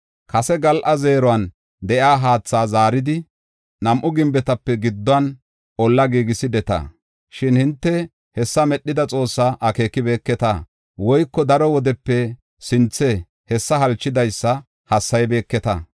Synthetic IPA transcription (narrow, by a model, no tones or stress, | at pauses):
kɐsɛɡɐlʔɐze̞ːɾɔwɐn | d̪ɛʔjaːɦaːt͡sːaːzaːɾɪd̪ɪ | nɐmʔʊɡɪmbɛt̪ɐpːɛɡɪd̪ːɔɐn | ʔɔlːɐɡiːɡɪsɪd̪ɛt̪ɐ̰ | ʃɪnhɪnt̪ːɛ | hɛsːɐmɛɗːɪd̪ɐt͡sʼo̞ːsːaʔɐke̞ːkːɪbeːkːɛt̪ɐ | wɔjkːɔd̪ɐɾɔwɔd̪ɛpːɛ | sɪnt͡sːɛ | hɛsːɐhɐlt͡ʃːɪd̪ɐjsːɐ | hɐsːɐjbe̞ːkːɛt̪ɐ